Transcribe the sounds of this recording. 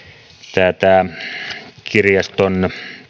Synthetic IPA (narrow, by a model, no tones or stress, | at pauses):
t̪æːt̪æ | kʰirjɑst̪on